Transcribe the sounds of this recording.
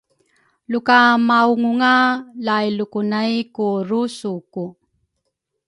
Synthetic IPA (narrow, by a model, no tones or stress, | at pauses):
lukamauŋuŋalajlukunajkuɾusuku